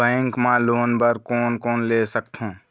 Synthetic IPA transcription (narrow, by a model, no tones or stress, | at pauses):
bɛ̃ŋkmãloːnbəɾkoːnkoːnleːsəkt̪ʰɦũː